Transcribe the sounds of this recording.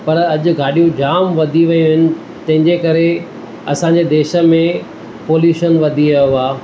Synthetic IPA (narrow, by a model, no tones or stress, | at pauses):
pɐɾɐʄʊ̆ɡʱaːɗijũd͡ʑaːmʋɐd̪ʱiʋɐjũɦɪnɪ̆ | t̪ɐ̃ɦɪ̃ɲd͡ʑekɐɾe | ɐsãːɲd͡ʑed̪eːʃə̆mẽ | poːljuːʃənʋɐd̪ʱiɾɐjuaː